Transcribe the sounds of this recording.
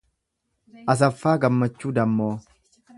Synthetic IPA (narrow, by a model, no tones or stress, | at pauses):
ʔɐs̬ɐfːaːɡɐmːɐt͡ʃːuːd̪ɐmːoː